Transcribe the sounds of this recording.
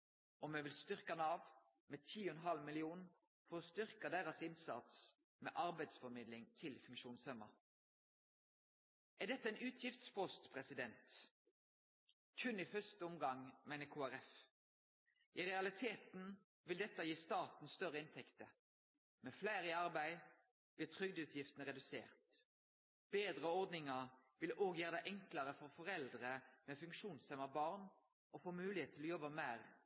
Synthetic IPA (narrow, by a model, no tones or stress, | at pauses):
ɔmeːʋɪlst̪ʏʁkɑnɑːʋ | meːt̪ʰiːʊɛnɦɑlmɪlɪuːn | fɔʁɔst̪ʏʁkɑd̪æːʁɑsɪnsɑ̰t̪s | mḛːʔɑʁbæɪd̪sfɔɾmɪːd̪lɪŋt̪ʰɪlfʉŋkʃuːnsœmə̰ | æd̪ɛt̪ːəɛɪnʉːt̪ʰjɪft̪spʰɔst̪pʰʁɛsɪd̪ɛnt̪ | kʰʉnːifœst̪əɔmɡɑŋmæɪnəkʰuːæɾɛf | ʔiʁɛɑlɪt̪ʰeːt̪n | ʋɪld̪ɛt̪ːəjiːst̪ɑːt̪n̩st̪œʁəɪnt̪ʰɛkt̪ə | mɛflæɪʁɪɑʁbæɪ | b̥lɪːʁt̪ʰʁʏɡd̪ʉːt̪ʰjɪft̪ənəʁɛd̪ʉsḛːʁt̪ | b̥eːd̪ʁəɔʁd̪nɪŋəʁʋɪloːɡjæːʁd̪əʔɛŋkləʁəfɔʁfɔʁɛld̪ʁəmɛfʉŋkʃuːnsɛməbɑʁn | ʔofoːmʉːlɪheːt̪ʰːɪlɔːjɔbːəmæːʁ